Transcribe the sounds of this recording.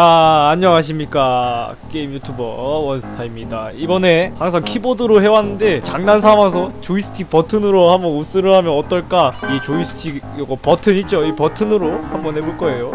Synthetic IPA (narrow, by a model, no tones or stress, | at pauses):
aːɲːʌŋaɕ̬ʰimɲik͈a | k͈eimjutʰubʌwʌnsʰɯ̥tʰaimɲidaibʌne̞haŋs̬ʰaŋkʰibodɯɾoɦe̞wanːɯnde̞t͡ɕaŋnans̬ʰamasʰʌt͡ɕois͈ʰɯ̥tʰipʌtʰɯnɯɾohambʌnos͈ɯɾɯɦamjʌnʌt͈ʌɭk͈aiet͡ɕois͈ʰɯ̥tʰi | ɡʌpʌtʰɯɲit͡ɕ͈oipʌtʰɯnɯɾohambʌnɦebuɭk͈ʌe̞jo